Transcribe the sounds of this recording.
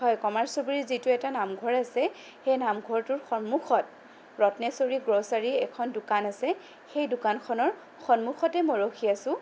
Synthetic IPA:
ɦɔjkɔmaɹsobɹizitʊɛtanamɡʱɔɹasɛ | xejnamɡʱɔɹtʊɹxɔnmuxɔt̚ | ɹɔtnɛsoɹiɡɹosaɹiɛkʰɔndʊkanasɛ | xejdʊkankʰɔnɔɹ | xɔnmuxʰɔtɛmɔjɹoxiasʊ̃

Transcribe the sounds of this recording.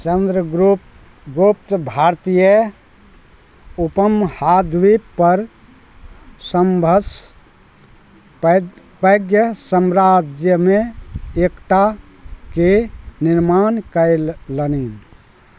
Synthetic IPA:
t͡ʃənd̪ɾəɡɾup | ɡopt̪bʱaɾt̪ijə | upəmhad̪ʋipəɾ | səmbʱəs | pəjɡjəsəmɾad͡ʒjəmeekʈa | keniɾmankəlːənin

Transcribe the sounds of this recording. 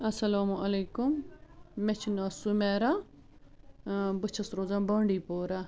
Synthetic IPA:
ɐsɐlaːmuɐleːkʊmː | et͡ʃʰinaːsumɛːɾa | bɨt͡ʃʰɐsɾoːzaːbãːɳɖiːpoːɾa

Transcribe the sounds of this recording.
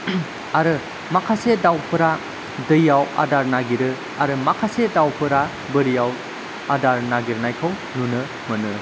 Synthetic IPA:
aɾɯ | makʰasedawpʰɯɾa | dɯjawa̰daɾnaɡiɾɯ | aɾɯmakʰasedawpʰɯɾa | bəɾijaw | adaɾnaɡiɾnajkʰaw | nunɯ | mɐnɯ

